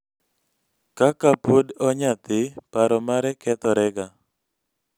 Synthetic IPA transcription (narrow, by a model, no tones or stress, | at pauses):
kakapodɔɲat̪ɪpaɾɔmaɾɛkɛt̪ɔɾɛɡa